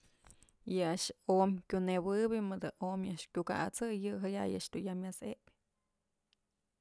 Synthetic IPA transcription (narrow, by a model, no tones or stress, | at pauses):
jɨaʔʂomʲkʲunebɨbʲɨmɨd̪ɨʔomjaʔʂkʲuka̰ʔat͡sɨjɨɦaja̰jɨ̰ʔʂt̪ujamʲjasepʲ